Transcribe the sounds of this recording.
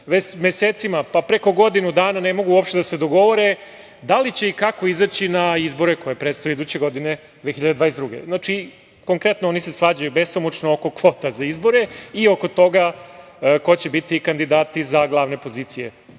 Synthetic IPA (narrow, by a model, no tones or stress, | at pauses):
ʋet͡ɕmeseːt̪simapapɾeko̞ɡo̞d̪inud̪aːnanemo̞ɡuuopʃt̪ed̪ased̪o̞ɡo̞ʋo̞ɾe̞ | d̪alit͡ɕe̞ikako̞izat͡ɕinaizbo̞ɾeko̞jepɾet̪sojeid̪uːt͡ɕe̞ɡo̞d̪ine̞ | d̪eːxiʎad̪ed̪ʋaːɾesd̪ɾuɡḛznat͡ʃi | ko̞ŋkɾe̞t̪noonise̞sʋad͡ʑajube̞st̪omut͡ʃnooko̞kʋo̞ːt̪azaizbo̞ɾe̞io̞ko̞t̪o̞ɡa | ko̞t͡ɕebit̪ikand̪id̪aːt̪izaɡlˠaʋne̞po̞ziːt̪sijḛ